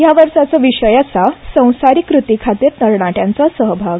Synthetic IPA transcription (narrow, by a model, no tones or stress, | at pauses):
jaʋəɾʂat͡səʋiɕəjasasə̃w̃saɾiːkɾut̪ikʰat̪iɾnəɾɳaʈjãnt͡sasəɦbʱaɡ